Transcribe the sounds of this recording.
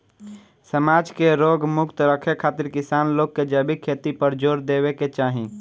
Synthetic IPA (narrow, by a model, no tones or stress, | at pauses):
səmaːd͡ʒkeɾoːɡmʊkt̪ɾəkʰekʰaːt̪ɪɾkɪsaːnloːkkːed͡ʒəbikʰeːt̪ipəɾd͡ʒoːɾd̪eːbeket͡ʃaːɦĩ